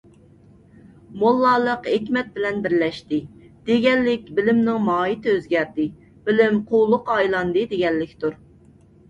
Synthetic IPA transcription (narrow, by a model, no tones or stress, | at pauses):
molˠːɑlˠəqekʲmɛt̪̚bɪlɛnbɪɾlɛʃt̪ɪ | d̪̥eɡʲɛlːɪkʲbɪlɪmnɪŋmɑːit̪ʰɪøzɡʲæɾd̪ɪ | b̥ɪlɪmqʰolˠʊqɑjlˠɑnd̪ɨd̪eɡʲɛlːɪkʲt̪uɾ